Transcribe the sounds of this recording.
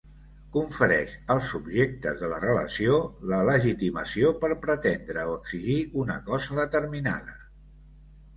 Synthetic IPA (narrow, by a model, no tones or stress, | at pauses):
kuɱfəɾɛʃəlˠsubʒek̚t̪ə̰zðələrələ̰siolələʒit̪iməsiopəɾpɾət̪end̪ɾəoəɡz̥iʒiunəkɔzəðət̪əɾmina̰ðə